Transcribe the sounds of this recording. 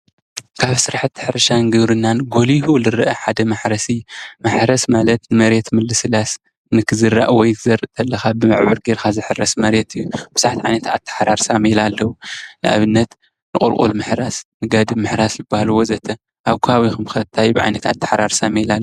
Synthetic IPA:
kʰaβsɨɾaħɨt̪ʰːɨħɨɾɐʃanɡɨβɾɨnːanɡo̞liɦulɨɾɨʔɐħad̪ɐmaħɾɐsimaħɾɐsmalɐt̪nɨmɐɾe̞t̪mɨlːɨsɨlas | nɨkʰɨzɨrːa̰ʔwɔjt̪ʰɨzɐɾɨʔt̪ʰɐlːɐxabɨmɨʕβɨɾɡeɾxazɨħɨrːɐsmɐɾe̞t̪ɨjːub̥ɨsaħt̪ʰiʕa̰jnɐt̪a̰t̪ʰːɐ̥ħɾaɾsamelalːɐwunɨʔa̰βɨnːɐt̪ | nɨqʼṵlkʼṵlmɨħɾasnɨɡad̪ɨmːɨħɾasjɪbːahalwo̞zɐt̪ʰɐ | ʔaβkʰuhawixɨmxɐt̪ʰːajbɨʕa̰jnɐt̪a̰t̪ʰːɐ̥ħɾaɾsamelalː

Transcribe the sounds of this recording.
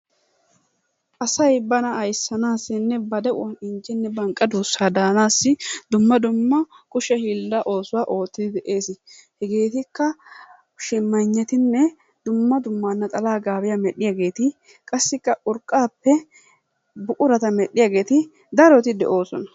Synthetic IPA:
ʔɐsɐjbɐnɐɐjsːɐnaːsːɪnːɛbɐd̪ɛɐnɪnt͡ʃːɛnːɛbɐŋkʼːɐd̪uːsːaːd̪aːnaːsːɪd̪ʊmːɐd̪ʊmːɐkʼʊʃɛhiːlːɐʔo̞ːsʊwaːʔo̞ːt̪ːɪd̪ɪd̪ɛʔe̞ːshɛɡe̞ːt̪ɪkːɐ | ʃɪmːɐɲːɛt̪ɪnːɛ | d̪̥ʊmːɐd̪ʊmːaːnːɐt̪ʼɐlaːɡaːbɪjamɛɗɪjaːɡe̞ːt̪ɪ | kʼɐsːɪkːɐʔʊɾkʼːaːpːɛ | bʊkʼʊɾɐt̪ɐmɛɗːɪjaːɡe̞ːt̪ɪ | d̪ɐɾɔt̪ɪd̪ɛ̰ʔo̞ːsɔnɐ

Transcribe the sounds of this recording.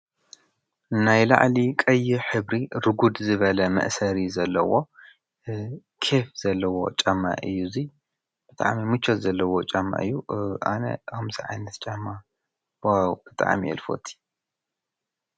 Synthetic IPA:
najla̰ʕlikʼɐjːɪħɨβɾiɾɨɡud̪zɨβɐlɐmɐ̰ʔsɐɾizɐlːɐwo̞ | kʰefz̥ɐlːɐwo̞̰t͡ʃʼɐmːa̰ʔɨjːuzi | b̥ɨt̪ʼa̰ʕmimɨt͡ʃʰːot̪zɐlːɐwot͡ʃʼɐmːa̰ʔɨjːuʔa̰nɐ̰ɐmziʕajnɐt̪t͡ʃʼɐmːa | wawb̥ɨt̪ʼa̰ʕmiʔɛ̰lfo̞̰t̪ʰi̥

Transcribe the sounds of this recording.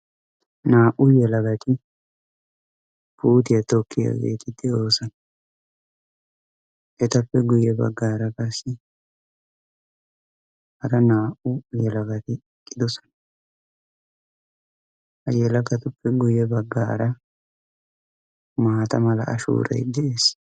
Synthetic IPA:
naːʔʊjɛlɐɡɐt̪ɪ | b̥uːt̪ɪjɐt̪ɔkʰːɪjɐ̰ɡḛːt̪ɪd̪ːɪo̞ːsɐnɐ | ʔɛt̪ɐfːɛɡʊjɛbɐ̰ɡːaːɾɐkʼɐsːɪ | hɐɾɐnaːʔʊjɛlɐɡɐt̪ɪ | kʼːɪd̪ɔsɔ̥n | ʔɐjɛlɐkɐt̪ʊpːɛɡʊjɛbɐɡːaːɾɐ | maːt̪ɐmɐlɐɐ̰ʃṵːɾɐ̰jd̪ɛeːs

